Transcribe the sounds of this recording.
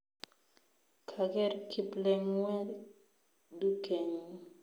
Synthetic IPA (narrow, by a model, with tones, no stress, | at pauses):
kʰa˨ɡɛ˦˨ɾkʰi˦plɛ˦ŋwɛ˦ | du˦kʰe˨ɲ˦